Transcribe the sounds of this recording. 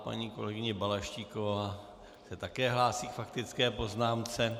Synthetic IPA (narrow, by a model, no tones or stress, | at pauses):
pa̰ɲiko̞̰lɛɡɪɲɛbalaʃciːko̞vaː | sɛt̪akɛːɦlaːsiːkfakt̪ɪt͡skɛːpo̞znaːmt͡sɛ